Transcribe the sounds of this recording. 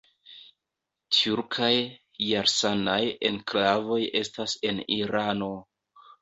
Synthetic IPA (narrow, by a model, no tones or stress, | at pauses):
tuɾkʰajː | aɾsanajenklavo̞je̞stase̞niɾano̞